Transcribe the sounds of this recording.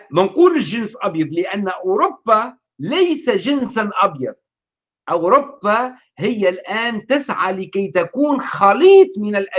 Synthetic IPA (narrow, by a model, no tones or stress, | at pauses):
mɪnquːlɪlʒɪnsʔɑbjɑd̪ˤlɪʔanːaʔʊːɾʊbːa | lajsaʒɪnsaʔɑbjɑd̪̚ | ʔawɾʊbːa | hɪjːalʔaːnt̪ɪsʕalɪkajt̪akuːnxaliːt̪ˤmɪnalʔa